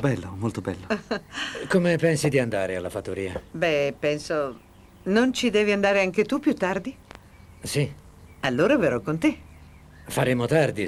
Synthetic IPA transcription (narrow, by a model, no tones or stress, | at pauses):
bɛlːomolt̪obɛlːo | komepɛnsid̪iand̪aːɾea̰lːafat̪ːoɾiːabɛpːɛnso | nont͡ʃid̪ɛːviand̪aːɾeaŋket̪upːjut̪ːard̪i | si | alːoːɾaveɾɔkːont̪e | faɾeːmot̪ard̪i